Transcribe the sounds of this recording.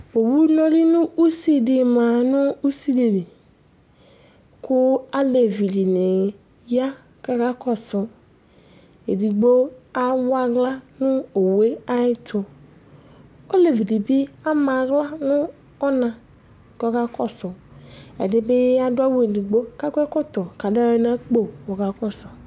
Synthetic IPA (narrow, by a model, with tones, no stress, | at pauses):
o˨wu˦nɔ˦li˦nʊ̃˦u˦si˦di˨ma˨nʊ˦u˦si˦de˨ni˨ | kʰʊ˦a˦le˨vi˨di˨ni˨ | ja˦ | ka˨ka˦kɔ˨sʊ˨ | e˨di˨ɡ͡bo˦a˦wa˦ɡla˦nʊ˦o˨we˦a˦i˦tʰʊ˨ | o˦le˨vi˨di˨bi˦a˦ma˨ɡla˦nʊ˦ | ɔ˦nã˨ | ɡɔ˦ka˦kɔ˦sʊ˨ɛ̰˨dɪ˦bɪ˦a˦dwa˦we˦˨di˨ɡ͡bo˦ka˦kʷɛ˦kɔ˦tɔ˨ka˨da˦e˦na˦k͡po˦˨wɔ˨ɡa˨kɔ˦sɔ˨